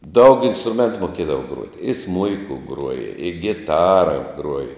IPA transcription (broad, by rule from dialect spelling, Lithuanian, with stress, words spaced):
dɐʊk ɪnstrʊˈmʲɛntʊ moːˈkʲiɛdɐʋɐ ˈɡruɔtʲɪ ɪ ˈsmʊɪkʊ ˈɡruɔjɛ ɪ ɡʲɪˈtɑːrɐ ˈɡruɔjɛ